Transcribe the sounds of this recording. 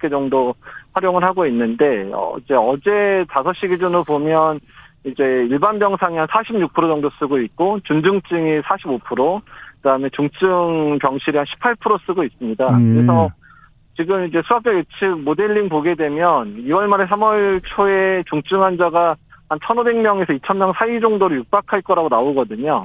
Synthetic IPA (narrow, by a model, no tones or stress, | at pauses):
k͈e̞d͡ʑʌŋdoɸwaɾjoŋɯɭhaɡoinːɯnde̞ʌ̰id͡ʑe̞ʌd͡ʑe̞tasʰʌɕ͈iɡid͡ʑunɯɭpomjʌnid͡ʑe̞iɭbanbjʌŋsʰaŋiansʰaɕʰimɲuk̚pʰɯɾod͡ʑʌŋdos͈ɯɡoit̚k͈ot͡ɕund͡ʑɯŋt͡ɕ͈ɯŋisʰaɕʰibopʰɯɾokɯdaɯmet͡ɕuŋt͡ɕ͈ɯŋpjʌŋɕʰiɾianɕʰi̥pʰaɭpʰɯɾos͈ɯɡois͈ɯmɲidakɯɾe̞s̬ʰʌ | t͡ɕiɡɯmid͡ʑe̞sʰuak̚t͡ɕ͈ʌɡet͡ɕʰɯk̚mode̞ʎːiŋpoɡe̞dwe̞mjʌniwʌɭmaɾesʰamʌɭt͡ɕʰoe̞t͡ɕuŋt͡ɕ͈ɯŋɦand͡ʑaɡahant͡ɕʰʌnobe̞ŋmjʌŋe̞sʰʌit͡ɕʰʌnmjʌŋsʰaid͡ʑʌŋdoɾɯɭjuk̚p͈akʰaɭk͈ʌɾaɡonaoɡʌdɯɲo